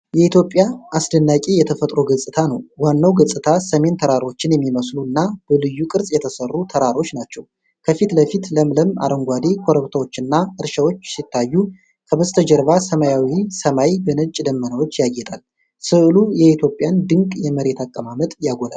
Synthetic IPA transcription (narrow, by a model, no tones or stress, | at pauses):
jɛit̪jo̞pʼjaasd̪ənːakʲʼejɛt̪ʰəfət̪ʼɾoɡəsʼɨt̪ʰanəwːanːawɡəsʼɨt̪ʰasəme̞nt̪ʰəɾaɾo̞t͡ʃːɪnjɛmːiməsluɨnːab̥əlɨjːukʼɨɾsʼjɛt̪ʰəsərːut̪ʰəɾaɾo̞t͡ʃːnat͡ʃːɛw | kʰəfit̪ləfit̪ləmləma̰ɾəŋɡʷad̪ekʰoɾəβt̪ʰawo̞t͡ʃːɨnːaɨɾʃawot͡ʃːsit̪ʰːajːu | kʰəbəzt̪ʰəd͡ʒəɾβasəmajawisəmajbənət͡ʃʼːd̪əmːənəwot͡ʃːjajɛt̪ʰʼal | sɨʔɨlujɛit̪ʰjo̞pʼjand̪ɨŋkʼjɛməɾe̞t̪ʰakʼːəmamət̪ʼjaɡola̰l